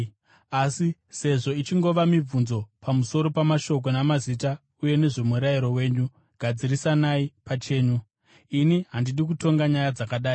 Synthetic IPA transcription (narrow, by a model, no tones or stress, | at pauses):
asise̞ʐo̞it͡ʃiŋɡo̞ʋamib͡vunzo̞pʰamuso̞ɾo̞pamaʃo̞k̬o̞namazita | uje̞ne̞ʐe̞muɾajiɾo̞we̞ːɲu | ɡ̥ʱad͡zirisanaipat͡ʃe̞ːɲu | iniɦandiɗik̬uto̞ŋɡaɲajad͡zakaɗaːi